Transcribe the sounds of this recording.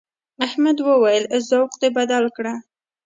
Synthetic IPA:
ahmad̪wəwajəlzawqd̪ebad̪alkɽa

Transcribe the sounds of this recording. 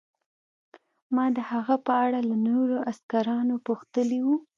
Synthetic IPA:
mɑd̪əhaɣapəaɽalanoɾoʔaskaɾɑnopoxt̪əliwu

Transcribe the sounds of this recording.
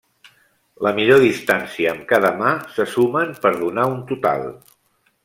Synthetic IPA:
ləmiʎoðist̪ansiəːmkaðəmasəsuməmpəɾðunaunt̪ut̪a̰lˠ

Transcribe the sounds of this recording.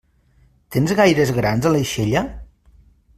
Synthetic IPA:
t̪enzɣajɾəzɣɾanzələjʃeʎə

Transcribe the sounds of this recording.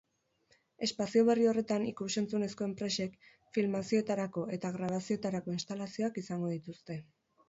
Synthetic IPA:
e̞spasio̞β̞e̞rio̞re̞t̪anikuse̞nt͡sune̞sko̞e̞mpɾe̞se̞k | filmasio̞e̞t̪aɾako̞e̞t̪aɣɾaβ̞asio̞et̪aɾako̞inst̪alasio̞akisaŋɡo̞ðit̪ust̪e̞

